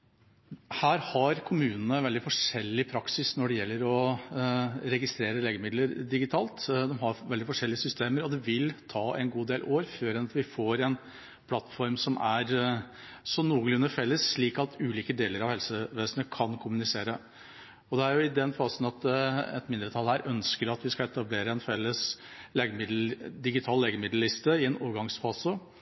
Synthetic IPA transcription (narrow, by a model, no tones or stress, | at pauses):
hæːɾhɑɾkʰʊmʉːnənəʋɛld̪ɪfɔʂɛlːɪpʰɾɑksɪsnɔɖɛjɛlːəɾɔ | ɾɛɡɪst̪ɾeːɾəleːɡəmɪd̪ləɾd̪ɪɡɪt̪ʰɑːlt̪d̪ɛmɦɑɾʋɛld̪ɪfɔʂɛlːɪəsʏst̪eːməɾɔd̪ɛʋɪlt̪ʰɑːʔɛnɡuːd̪eːlʔoːɾføːɾɛnɑt̪ʋɪfoːɾɛn | pʰlɑt̪ːfɔɾmsɔmæɾ | sɔnuːɡlʉnəfɛlːəsʂɭiːkɑt̪ʉːliːkəd̪eːləɾɑʋhɛlsəʋeːsənəkʰɑnkʰʊmʉnɪseːɾə | ɔd̪ɛæɾjʊɪd̪ɛnfɑːsənɑt̪ɛ̰t̪mɪnd̪ɾət̪ʰɑlhæɾʔœnskəɾɑt̪ʋɪskɑɛt̪ɑbleːɾəɛnfɛlːəsleːɡəmɪd̪d̪ɪɡɪt̪ʰɑːlleːɡəmɪd̪l̩lːɪst̪əɪɛno̰ːʋəɡɑŋsfɑːsə